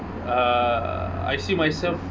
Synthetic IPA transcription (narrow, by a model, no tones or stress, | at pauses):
a̰jsiːmajsɛlf